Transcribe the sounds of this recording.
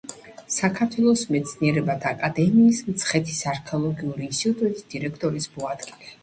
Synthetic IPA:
sakʰaɾt̪ʰwɛlˠɔsmɛt̪sʰniɛɾɛbat̪ʰaːkʼad̪ɛmiːsmt̪sʰχɛt̪ʰi̥saɾkʰɛɔlˠɔɡiuɾiːnst̪ʼit̪ʼut̪ʼisd̪̥iɾɛkʰt̪ʼɔɾismɔad̪ɡilɛ

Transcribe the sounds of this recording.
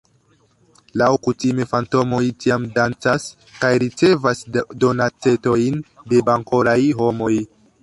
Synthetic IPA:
lawkutime̞fanto̞mo̞jtiamdant͡sas | kajɾit͡se̞vasdo̞nat͡se̞to̞jnde̞baŋko̞ɾajɦo̞mo̞j

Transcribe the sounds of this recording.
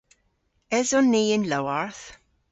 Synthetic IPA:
ɛzɔnːiːɪnlawaɹθ

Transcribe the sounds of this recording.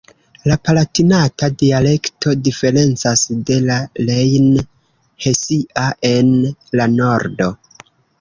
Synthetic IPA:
lapalatinatadiale̞ktʰo̞dife̞ɾe̞nt͡sasde̞lalejn | he̞siʔaʔe̞nlano̞ɾdo̞

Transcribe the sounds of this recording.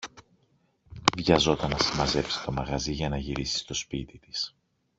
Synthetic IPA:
vʝɐzo̞t̪ɐnːɐsimɐze̞psi̥t̪o̞mɐɣɐziʝɐnɐʝiɾisi̥st̪ospit̪it̪i̥s

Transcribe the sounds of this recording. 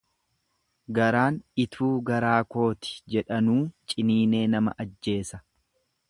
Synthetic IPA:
ɡɐɾaːnɪt̪ʰuːɡɐɾaːko̞ːt̪ɪ̥d͡ʒɛᶑɐnuːt͡ʃʼɪniːne̞ːnɐmɐ̰ʔɐd͡ʒːe̞ːsɐ

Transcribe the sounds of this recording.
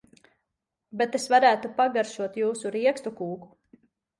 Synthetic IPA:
bet̪esvaɾæːt̪upaɡaɾʃuɔt̪juːsuɾiɛkst̪ukuːku̥

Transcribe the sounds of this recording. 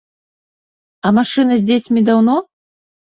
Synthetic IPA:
ɐmaʂɨnɐzʲdʲesʲmʲid̪awnɔ

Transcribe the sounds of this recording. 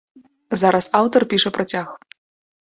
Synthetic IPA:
zaɾɐsawt̪ɐrpʲiʂɐpɾɐt͡sʲax

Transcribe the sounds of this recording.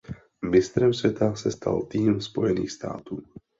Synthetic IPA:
mɪst̪ɾɛmsvjɛt̪ʰasɛst̪a̰lt̪iːmspo̞jɛnḭːxst̪a̰ːt̪uː

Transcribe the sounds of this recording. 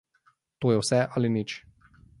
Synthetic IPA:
t̪oːjɛwsɛʔalinit͡ʃ

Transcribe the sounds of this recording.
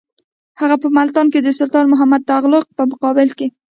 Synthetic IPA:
haɣapəmalt̪ɑnked̪əsʊlt̪ɑnmʊɦamad̪̚t̪aɣlʊq̚pəmʊqɑbɪlke

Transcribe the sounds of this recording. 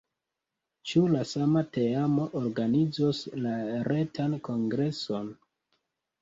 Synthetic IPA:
t͡ʃulasamate̞amoʔoɾɡanid͡zoslaɾe̞tanko̞ŋɡɾe̞so̞n

